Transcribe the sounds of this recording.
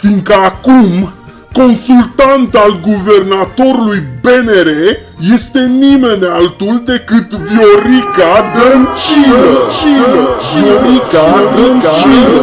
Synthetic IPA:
fiŋkəakum | ko̞nsult̪ant̪alɡuve̞rnat̪o̞ɾulujbeneɾe | je̞st̪e̞nimenalt̪uld̪e̞kɨt̪vjoɾikad̪ənt͡ʃinət͡ʃinoɾikad̪ənt͡ʃin

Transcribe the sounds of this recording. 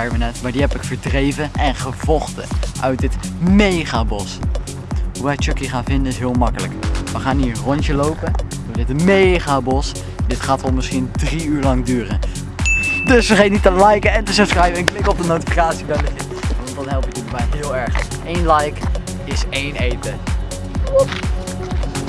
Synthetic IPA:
ɛɹvənɛtmaːɹdiɦɛpɪkfəɹdrejvənʔɛnχəv̥ɔχtə̰ʔœ̰ɥt̚dɪtmejχaːbɔs | ɦuʋɛjt͡ʃøkiχaːnvɪndənɪsɦɪːlˠmɑkələ̰kʋəχaːniːɹərɔnt͡ʃəlowpədʊːɹdɪtmejχabɔs | dɪtχaːtʋɑlˠmɪsχindriyːɹlɑŋdyːrə̰n | dɵsʋəχejnitəlɛjkəɛntəsɛsχrɛjvəɛnklɪkɔb̚dənowtifikaːtsibɛdəfɪtʋɑntdɑnɦɛlˠpɪkəbɛjɦɪːlˠɛɹχejnlɛjk | ɪsejnejtə | op

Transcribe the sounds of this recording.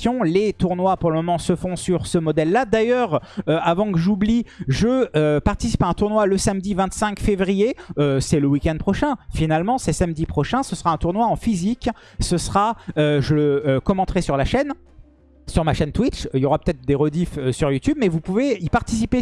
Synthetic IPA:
jɔ̃let̪uʁnwapuʁləmɔmɑ̃səfɔ̃syʁsəmɔd̪ɛlːad̪ajœːʁøavɑ̃kəʒubliʒəøpaʁt̪isi̥paɛ̃t̪uʁnwaləsamd̪ivɛ̃t̪sɛ̃kfevʁijeøsɛləwikʲɛnd̪̚pχɔʃɛ̃finalmɑ̃sɛsamd̪ipχɔʃɛ̃səsəʁaɛ̃t̪uʁnwaɑ̃fizik | səsχaøʒələːkɔmɑ̃t̪χɛsyʁlaʃɛn | syʁmaʃɛnt̪wit͡ʃiljɔʁapø̥t̪ɛt̪χd̪eʁɔd̪iføsyʁjut̪yb̚mɛvupuveipaʁt̪isipe

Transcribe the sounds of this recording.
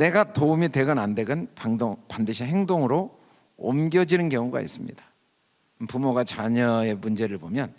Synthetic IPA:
ne̞ɡatoumite̞ɡɯnande̞ɡɯnpaŋdoŋpandɯɕʰiɦeŋdoŋɯɾo̰ː | mɡjʌd͡ʑinɯnkjʌŋuɡa̰ḭs͈ɯmɲḭd̥ḁ | pumoɡat͡ɕaɲʌe̞mund͡ʑe̞ɾɯɭbomjʌn

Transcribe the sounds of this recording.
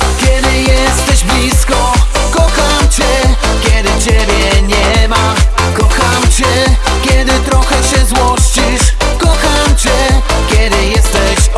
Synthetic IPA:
kʲjɛd̪ɘjɛst̪ɛʑblʲiskɔ | kɔxamt͡ɕɛ | kʲɛd̪ɘt͡ɕɛbʲjɛɲɛma | kɔxamt͡ɕɛ | kʲjɛd̪ɘt̪ɾɔxɛɕɛzwɔʂt͡ɕiʂ | kɔxamt͡ɕɛ | kʲɛd̪ɘjɛst̪ɛɕ

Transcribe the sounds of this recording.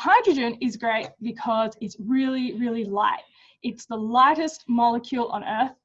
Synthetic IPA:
haɪdɹɨd͡ʒɨ̃nɪzɡɹeɪt̚b̥ɨkʰʌzɨtsɹɪlˠiɹɪlˠilaɪt̚ | ɨtsðəlaɪɾɨstmɑlˠəkʰjulˠʔə̰̃nɜ˞θ

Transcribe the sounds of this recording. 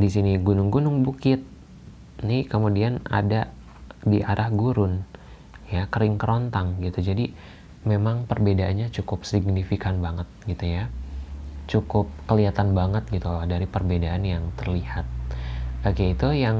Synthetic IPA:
disiniɡunʊŋɡunʊŋbukɪt̪̚ | nikəmudiana̰da | diʔaɾʔahɡuɾʊn | jakəɾɪŋkəɾont̪aŋɡit̪ud͡ʒadi | memaŋpərbedaʔanɲat͡ʃukʊp̚siɡnifikanbaŋət̪̚ɡit̪uja | t͡ʃukʊp̚kəliat̪anbaŋət̪̚ɡit̪uladaɾipərbedaːnjaŋt̪ərlihat̪̚akeit̪ujaŋ

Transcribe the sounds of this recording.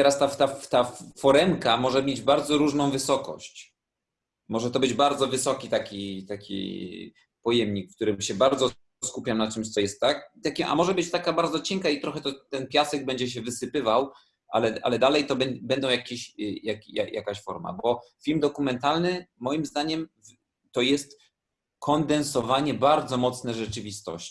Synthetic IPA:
t̪ɛɾast̪at̪at̪afɔɾɛmkamɔʐɛmjed͡ʑbaɾd̪zɔɾuʐnɔ̃w̃vɘsɔkɔ̰ɕt͡ɕ | mɔʐɛt̪ɔbɘd͡ʑbaɾd̪zɔvɘsɔkʲit̪akʲit̪akʲḭ | pɔjɛmɲikfkt̪uɾɘmɕɛbaɾd̪zɔ | skupʲjamnat͡ʂɛmɕt̪sɔjɛst̪ːakt̪akʲiʔa̰mɔʐɛbɘt͡ɕt̪akabaɾd̪zɔt͡ɕɛŋkait̪ɾɔxɛt̪ɔt̪ɛnpʲjasɛɡ̚bɛɲd͡ʑɛɕ̬ɛvɘsɘpɘvaw | ʔa̰lɛʔa̰lɛd̪alɛjt̪ɔbɛbɛnd̪ɔ̃w̃jakʲeɕjakʲija̰ja̰kaɕfɔ̰ɾma̰bɔfʲilmd̪ɔkumɛnt̪alnɘmɔjimzd̪aɲɛmvː | ɔjɛst̪ | kʰɔnd̪ɛnsɔvaɲɛbaɾd̪zɔmɔt̪snɛʐɛt͡ʂɘvʲist̪ɔ̰ɕt͡ɕ

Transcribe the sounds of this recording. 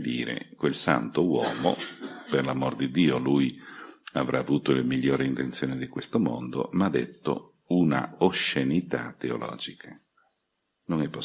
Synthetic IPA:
d̪iːɾḛkwelsant̪owɔːmo̰perlamord̪id̪iːolujavɾʔaːvuːt̪olemiʎːoːɾiint̪ent̪sjoːnid̪ikwest̪omo̰nd̪o̰mad̪et̪ːo̰ | una̰oʃːenit̪a̰t̪ːeo̰lɔ̰ːd͡ʒikʰa | noŋɛpːo

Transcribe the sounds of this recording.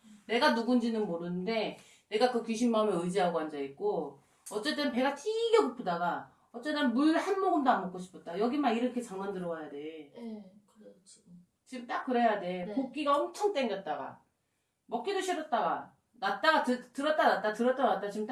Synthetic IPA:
ne̞ɡanuɡund͡ʑinɯnmoɾɯnɯnde̞ | ne̞ɡakɯkiɕʰinmaɯmeɯd͡ʑiɦaɡoɦand͡ʑaik̚k͈o | ʌt͡ɕ͈e̞t͈ɯnpe̞ɡatʰiɡjekupʰodaɡa | ʌt͡ɕ͈e̞t͈ɯnmuɭhanmʌɡɯndamʌk͈oɕʰi̥pʰʌt̚t͈ajʌɡimaiɾʌkʰe̞t͡ɕaŋmandɯɾʌɡajade̞ | t͡ɕimt͈ak͈ɯɾejade̞pok̚k͈iɡaʌmt͡ɕʰʌŋt͈eŋɡjʌt̚t͈aɡa̰ | mʌk͈idoɕʰiɾʌt̚t͈aɡa | nat̚t͈aɡatɯtɯɾʌt̚t͈anat̚t͈atɯɾʌt͈anat͈̚at͡ɕimt͈a

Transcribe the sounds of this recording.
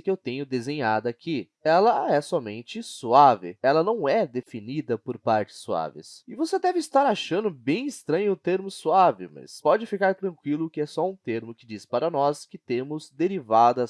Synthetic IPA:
kɪewt̪ẽɲʊd̪ezẽɲad̪ʊakʰɪ | ɛlɐɛsɔmḛ̃nt͡ʃɪsuavɪ̰ɛlɐnɐ̃w̃ɛd̪efinid̪ɐpoɾpaɾt͡ʃɪ̥sːua̰vɪ̰sɪvosed̪ɛvɪːst̪aɾaʃɐ̃nd̪ʊbẽj̃ɪst̪ɾɐ̃ɲʊːt̪eɾmʊsuavɪ̰mɐ̰spɔd͡ʒɪfikaɾt̪ɾɐ̃kwilʊkɪɛsɔũt̪eɾmʊkɪd͡ʒispaɾɐnɔskɪt̪ẽmʊzd̪eɾivad̪ɐs

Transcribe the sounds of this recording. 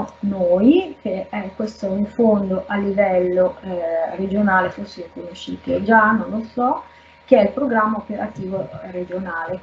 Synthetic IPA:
noːjkeɛkːwest̪oiɱfond̪oʔalːivɛlːored͡ʒonaːlefosːeɾikonoʃːḭːt̪ied͡ʒanːõnlosɔ | k̟eɛilpɾoɡɾamːaopeɾa̰t̪iːvored͡ʒonaːle

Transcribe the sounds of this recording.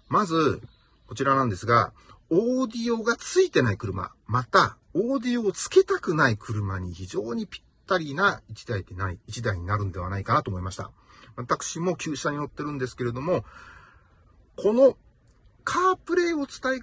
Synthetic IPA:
mazɨ | ko̞t͡ɕiɾanãnd̪e̞sɨɡa̰ | oːd̪ʲio̞ɡat͡sɨit̪e̞naikɯ̟ɾɯ̟ma̰ | mat̪a | o̞ːd̪ʲio̞ːt͡sɨ̥ke̞t̪akɯ̟naikʰɯ̟ɾɯ̟maɲ̟içiʑo̞ːɲ̟ipʲi̥t̪ːaɾʲiːnait͡ɕi̥d̪aid̪enaiːt͡ɕid̪aiɲ̟inaɾɯ̟̃nd̪e̞βanaikanat̪o̞ːmoimaɕi̥t̪a̰ | βat̪akɯ̥ɕimo̞kʲɨːɕaɲ̟ino̞t̪ːe̞ɾɯ̟̃nd̪e̞sɨ̥ke̞ɾe̞d̪o̞mo̞ | kʰo̞no̞ | kʰaːpɯ̟ɾe̞ːo̞t͡sɨ̥t̪ai

